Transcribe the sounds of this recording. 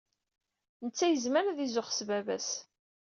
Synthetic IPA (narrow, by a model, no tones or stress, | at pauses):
nət͡sːæjəzməɾðizʊχsvævæ̰s